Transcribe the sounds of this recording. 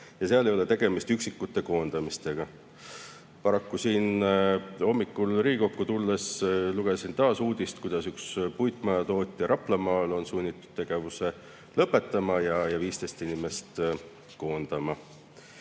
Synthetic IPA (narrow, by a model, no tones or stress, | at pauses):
jɑseɑlejo̞let̪e̞ɡ̥e̞mist̪yksikːut̪ːˑe̞ko̞ːnd̪̥ɑmist̪e̞ɡ̥ɑ | pɑɾɑkːusiːn | o̞mːikːulriːko̞kːut̪ulːe̞sluɡ̥e̞sint̪ɑːsuːd̪̥ist̪̚kujd̪̥ɑsykspujt̪ˑmɑjɑt̪o̞ːt̪ʲːˑjɑɾɑplɑmɑːlo̞nsunʲːit̪ːˑu̥d̥̪̚t̪eɡ̥e̞vuse̞ | lɤpːˑe̞t̪ˑːɑmɑjɑjɑviːst̪e̞st̪inimest̪ | ko̞ːnd̪̥ɑmɑ